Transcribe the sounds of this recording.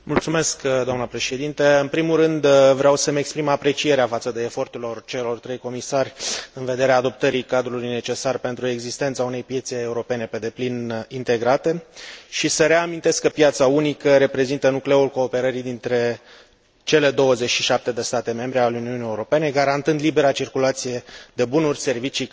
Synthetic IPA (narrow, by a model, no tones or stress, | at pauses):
mult̪sume̞skd̪oamnəpɾe̞ʃe̞d̪int̪eɨnpɾimulrɨnd̪vɾeawsəmekspɾimapɾe̞t͡ʃije̞ɾeafat̪səd̪e̞ːfo̞rt̪elo̞rt͡ʃe̞lo̞rt̪ɾe̞jko̞misarʲɨnve̞d̪e̞ɾeaːd̪o̞p̚t̪əɾikad̪ɾulujne̞t͡ʃe̞sarpe̞nt̪ɾue̞ɡzist̪e̞nt̪saune̞jpje̞t̪se̞ːuɾo̞pe̞ne̞pe̞d̪e̞plinint̪e̞ɡɾat̪e̞ʃisəɾe̞amint̪e̞skːəpjat̪saunikəɾe̞pɾe̞zint̪ənukleulko̞ːpe̞ɾəɾid̪int̪ɾe̞ | t͡ʃe̞le̞d̪o̞wəzet͡ʃʃiʃap̚t̪e̞d̪e̞st̪at̪e̞me̞mbɾealuniunijeuɾo̞pe̞ne̞ɡaɾant̪ɨnd̪libe̞ɾat͡ʃirkulat̪sije̞d̪e̞bunurʲse̞rvit͡ʃi